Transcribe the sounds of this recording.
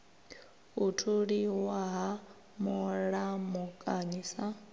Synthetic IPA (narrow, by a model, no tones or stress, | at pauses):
utʰuɺiwaɦa | muɺamukʼaɲiːsa